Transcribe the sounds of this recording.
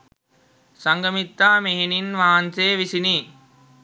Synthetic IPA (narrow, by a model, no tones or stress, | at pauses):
sɐŋɡɐmɪt̪ːaːmeɦninʋaːnseːʋɪsini